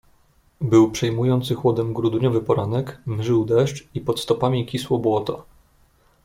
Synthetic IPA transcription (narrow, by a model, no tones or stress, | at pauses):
bɘwpʂɛjmujɔnt̪sɘxwɔd̪ɛmɡɾud̪uɲɔvɘpɔɾanɛkmʐɘwd̪ɛʂt͡ʂipɔt̪st̪ɔpamʲikʲiswɔbwɔt̪ɔ